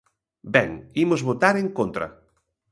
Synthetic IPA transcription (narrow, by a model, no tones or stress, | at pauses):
bɛŋimʊzβot̪aɾeŋkont̪ɾɐ̰